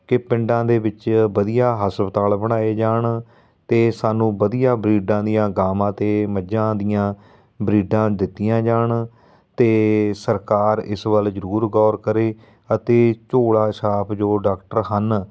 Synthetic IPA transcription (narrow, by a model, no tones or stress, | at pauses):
kɪpɪ̃ɳɖãːd̪eːbɪt͡ʃʋəd̪ijaːɦəsbət̪aːlbəɽ̃aːeːd͡ʒaːɳ | t̪eːsaːnũːbəd̪ijaːbɾiːɖãːd̪ijãːɡaːmãːt̪eːməd͡ʒãːd̪ɪjãː | bɾiːɖãːd̪ɪt̪ːijãːd͡ʒaːɳ | t̪eːsəɾkaːɾɪ̰sʋəld͡ʒəɾuːɾɡɔːɾkəɾeː | ət̪eːt͡ʃoːɽaːʃaːpʰd͡ʒoːɖaːkʈəɾɦən